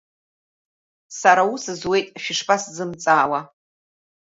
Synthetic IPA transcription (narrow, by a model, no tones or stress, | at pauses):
saɾausɨzwe̞jtʼʃᶣɪʂpʰʼaszɨmt͡sʼaːwa